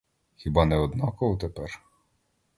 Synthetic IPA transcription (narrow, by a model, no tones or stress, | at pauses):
xʲibɑnɛɔd̪nɑkɔɔt̪epɛr